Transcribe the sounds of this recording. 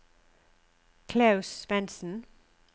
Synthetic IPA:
kʰleʉsʋɛnsn̩

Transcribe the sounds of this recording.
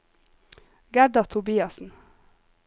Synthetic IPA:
ɡæɖɑt̪ʰʊbiːɑsn̩

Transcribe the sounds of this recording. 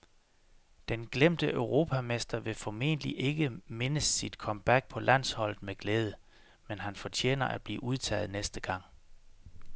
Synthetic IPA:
d̥enɡ̥lem̰d̥əʔøʊʁo̝ːpʰæmesd̥ɐʋe̝fɒme̝̰nəliʔe̝ɡ̥əme̝nəsid̥kʰɒ̽mb̥æɡ̥̚pʰɒ̽læn̰shɒ̽l̰ð̩ˠmeɡ̥leːð̞ˠə | menɦænfɒ̽t͡ɕʰḛːnɐʔæd̥̚b̥lḭːʔuð̞ˠt͡sʰɛ̰ːð̞̩ˠnesd̥əɡ̥ɑ̈ŋ̰

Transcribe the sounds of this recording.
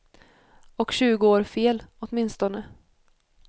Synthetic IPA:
ɔkɕʉ̟ːɡʊoːɾfeːlɔt̪mɪnst̪ɔnə

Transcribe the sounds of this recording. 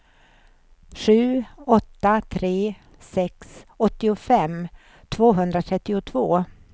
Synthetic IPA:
ʂʉ̟ːɔt̪ːat̪ʰɾeː | sɛksɔt̪ːɪʊfɛmː | t̪ʰvoːɦɵnd̪ɾat̪ʰɾɛt̪ːɪʊt̪ʰvoː

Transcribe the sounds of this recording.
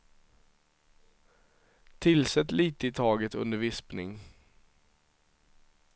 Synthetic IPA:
t̪ʰɪlsɛt̪ːliːt̪əɪt̪ʰɑːɡət̪ɵ̰nd̪əɾvɪspnɪ̰ŋ

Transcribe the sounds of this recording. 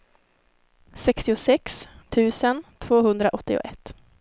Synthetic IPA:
sɛkst̪ɪʊsɛkst̪ʰʉ̟ːsənt̪ʰv̥oːɦɵnd̪ɾaʔɔt̪ːɪʊ̰ʔɛt̪ː

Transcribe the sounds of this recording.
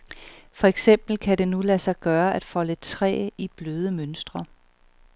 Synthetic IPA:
fɒ̽eɡ̥sem̰b̥l̩kʰæɾe̝nulæsɑ̈ɪɡ̥ɶːɐʔæd̥fɒ̽lət͡sʰʁɛ̰ːib̥løːð̞ˠəmønsd̥ʁɐ

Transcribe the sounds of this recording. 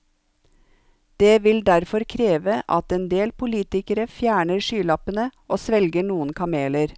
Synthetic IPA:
d̪̥eːʋɪld̪æɾfɔɾkʰɾeːʋəʔɑt̪ɛnd̪eːlpʰʊliːt̪ɪkəɾəfjæːɳəɾʂyːlɑpənəʔoːsʋɛlɡəɳuːənkʰɑmeːləɾ

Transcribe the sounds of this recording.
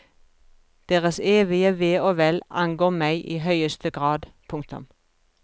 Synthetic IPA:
d̪̥eːʁəseːʋɪəʋeːoːʋɛlʔɑŋɡoːmæɪʔiːɦœʏəst̪əɡʁɑːd̪pʰʊŋk̚t̪ʊ̰m

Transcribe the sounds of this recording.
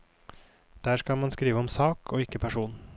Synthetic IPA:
d̪̥æːʃkɑmɑnskɾiːʋəɔmsɑːkʰoːɪkːəpʰæʃuːn

